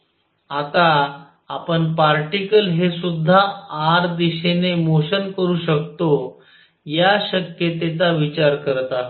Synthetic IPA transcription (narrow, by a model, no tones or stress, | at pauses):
at̪aː | pəɳpaɾʈikəlɦesud̪ʱːaaɾd̪iɕenemoɕənkəɾuːɕəkt̪o | jaɕəkjet̪et͡saʋit͡ɕaɾkəɾt̪a